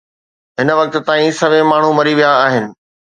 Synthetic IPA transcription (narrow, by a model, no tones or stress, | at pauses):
ɦɪnʋɐk̚t̪̆t̪aːĩsɐʋẽmaːɳ̤umɐɾiʋijaːɦɪnɪ̆